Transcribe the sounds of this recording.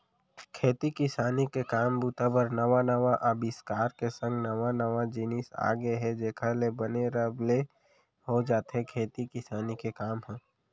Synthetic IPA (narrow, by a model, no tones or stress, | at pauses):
kʰeːt̪ikɪsaːnikekaːmbut̪abəɾnəʋanəʋaʔəbɪskaːɾkesə̃ŋɡnəʋanəʋad͡ʒinisa̰ːɡeɦɛd͡ʒeːkʰalebəneɾəble | hod͡ʒaːt̪ɦɛkʰeːt̪ikɪsaːnikekaːmɦɛ̃ː